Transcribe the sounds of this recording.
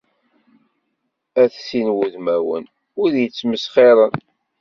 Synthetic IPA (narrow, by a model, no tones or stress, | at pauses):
æθsinwuðmæwə̰n | ʊɾjət͡sːməsχeɾˤən